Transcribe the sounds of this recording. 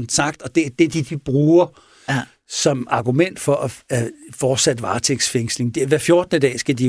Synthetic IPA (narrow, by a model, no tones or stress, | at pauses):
nsɑ̈ɡ̥̚d̥ɒ̽d̥e̝æd̥e̝d̥id̥ib̥ʁuːɐ | sɒ̽mɑ̈ɡ̥umen̰d̥fɒ̽ʔæfɒːd̥sæd̥ʋɑ̰̈ːt͡sʰeɡ̥sfeŋ̰sle̝ŋd̥eʋæɐfjo̝ɐd̥̚nəd̥ɛ̰ːsɡ̥æd̥i